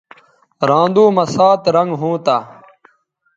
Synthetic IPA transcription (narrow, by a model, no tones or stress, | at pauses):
ɾãːnd̪uːmɐsaːt̪ɾɐŋɡɦũːt̪aː